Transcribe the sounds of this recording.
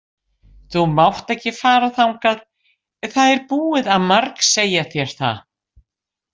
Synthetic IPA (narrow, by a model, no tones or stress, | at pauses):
θumawht̪ɛhcɪfaːɾaθawŋkað | θaðɛɾpuːɪðaðmaɾkseːjaθjɛɾ̥θa̰